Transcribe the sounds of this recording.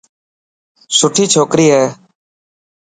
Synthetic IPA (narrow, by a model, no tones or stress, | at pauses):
sʊʈʰiːt͡ʃʰoːkɾiːɦɛː